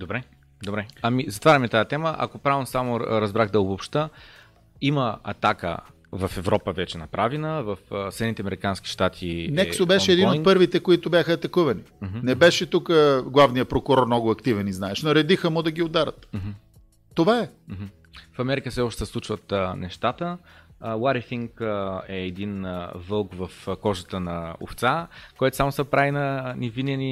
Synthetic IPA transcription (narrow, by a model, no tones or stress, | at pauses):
d̪obɾɛ | d̪obɾɛamizɐt̪vaɾʲɐmɛt̪ajɛt̪ɛməʔɐ̰kopɾavnsamʊɾɐzbɾaxd̪ɐobopʃt̪ə | iməɐ̰t̪akə̰ | vɐfɛvɾɔpəvɛt͡ʃɛnɐpɾavinəvɐfsɛd̪nit̪ɛɐmɛɾikanski̥ʃt̪at̪ʰinɛksobɛʃʃɛːd̪inot̪npɤɾvit̪ɛkoit̪ʊbʲjaxəɐt̪ɐkuvɐnim̩nɛbɛʃɛt̪ukəɡlˠavnijəpɾokʊɾɔɾmnɔɡʊɐkt̪ivɛniznaɛʃnɐɾɛd̪ixəmʊd̪ɐɡʲiod̪aɾət̪mɦ̩̪ː | ovaɛm̩ɦm̩ | fɐmɛɾikəfsɛɔʃt̪ɛ̥sɛslˠut͡ʃvət̪ənɛʃt̪at̪əwaɾifiŋkɛːd̪invəlˠkvɐfkɔʒət̪ənɐʊ̰ft̪sakoɔjt̪ʊ̥samʊsɐpɾavinɐnivinɛni